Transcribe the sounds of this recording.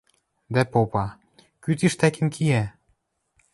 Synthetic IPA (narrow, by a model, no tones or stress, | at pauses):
d̪æpopɑ | kyt̪iʃt̪ækĕmkʰijæ